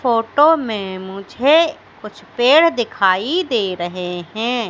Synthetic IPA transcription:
foːʈomẽmʊd͡ʒʱe | kʊt͡ʃʰpeːɽ̤d̪ɪkʰaːid̪eːɾɐɦeɦɛ̃ː

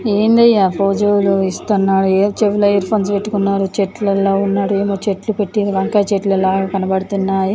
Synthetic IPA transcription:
eːnd̪ɐjːapoːd͡ʒewuluist̪ɐnːaːɾueːt͡ʃeʋulɐjɐɾpʰonspe̞ʈːukunːaːɾut͡ʃeʈlɐloːunːaːɽueːmoːt͡ʃeʈlupeʈːid̪uʋɐŋkɐːt͡ʃeʈlɐlaːɡaːkɐnɐbɐɽut̪unːaːji

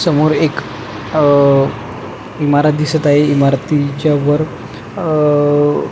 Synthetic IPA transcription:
səmoɾek | imaɾat̪̚d̪isət̪aɦeimaɾt̪it͡ɕjaʋəɾ

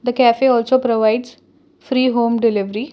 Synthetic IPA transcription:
d̪əkæːfeːɔːlsoːpɾoʋaɪɖz | fɾiːɦõːmɖɪlɪʋɾi

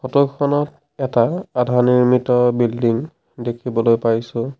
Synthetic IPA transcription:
xɔtɔkʰɔnɔt | ɛtaːdʱaniɹmitɔbildiŋ | dekʰibɔlojpajsʊ̃

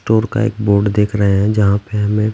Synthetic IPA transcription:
ʈoːɾka̰ḛːkboːɾɖd̪eːkʰɾəɦeɦɛ̃d͡ʒɐɦãpeɦɐmẽ

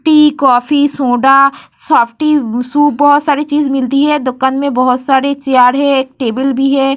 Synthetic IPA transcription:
ʈikɔːfisõːɖasaːpʰʈisuːbɔɦʊt̪saːɾit͡ʃiːzmɪlt̪iɦɛd̪ʊkənmẽbɔɦʊt̪saːɾet͡ʃɪjaːɾɦɛ̃ːkʈeːbəlbʱiɦɛː

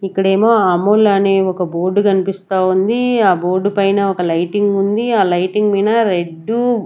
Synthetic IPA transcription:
ikːɐɽe̞ːmo̞ːaːmoːlaːneːɔkɐbo̞ːɾɖukɐnipist̪aːund̪iaːbo̞ːɾɖupɐjnɐɔkɐlɐjʈiŋɡund̪iaːlɐjʈiŋɡmiːnɐɾe̞ɖːu

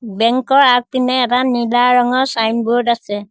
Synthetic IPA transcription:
bɛŋkɔɹak̚pinɛːtanilaɹɔŋɔɹsajnbuɹdasɛ

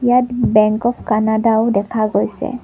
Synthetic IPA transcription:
jatbɛŋkɔpʰkanadaʊdɛkʰaɡojsɛ̰

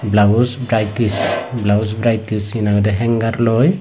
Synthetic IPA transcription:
blausbɾajtisblawusbɾajtisinaɡɔdɛɦɛŋɡaɾlɔj

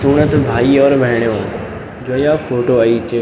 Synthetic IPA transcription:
suːɽ̃ət̪bʱaːiɔːɾʋɐɦɪɽ̃jõ | d͡ʑoːijafoːʈoɐit͡ɕɪ

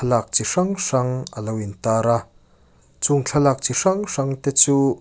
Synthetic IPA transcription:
lak̚t͡siʂɐŋʂɐŋəlɐwint̪aːɾa | t͡sʊŋt͡ɬʰɐlaːk̚t͡siʂɐŋʂɐŋt̪ɛt͡su

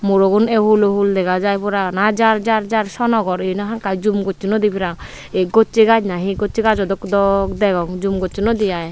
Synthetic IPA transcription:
muɾoɡunɛɦuloɦuld̪ɛɡad͡ʒajpɔɾanad͡ʒaɾd͡ʒaɾd͡ʒaɾʃɔnɔɡɔɾenaɦaŋkajd͡ʒumɡot͡ʃːnɔd̪ipʰiɾaŋ | eɡot͡ʃːiɡad͡ʒnaɦĩɡot͡ʃiɡad͡ʒɔd̪ɔkd̪ɔkd̪ɛɡɔŋd͡ʒumɡot͡ʃinɔd̪ijaj

